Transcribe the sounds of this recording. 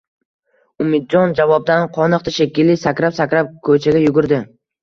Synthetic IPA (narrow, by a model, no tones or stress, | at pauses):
ʊmɪd̪̚d͡ʒɒnd͡ʒavɒb̚d̪anqʰɒnɨqt̪ʰaʃekʲɪlːɪsakʲɾapsakʲɾap̚kʰɵt͡ʃʰaɡʲajʊɡʊɾd̪ɪ